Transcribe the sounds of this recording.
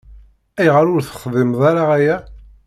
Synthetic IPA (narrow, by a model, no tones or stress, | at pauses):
æjʁaɾʊɾθə̥χðˤɪmðˤaɾaʁæjæ